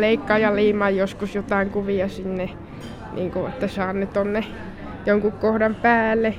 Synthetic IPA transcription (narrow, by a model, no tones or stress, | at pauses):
leikːɑːjɑliːmɑjjoskusjot̪ɑˑiŋkuʋiɑsinːe | nʔḭːŋkuet̪ːæsɑːnːet̪onːe | joŋkukkohdɑmpæːlːe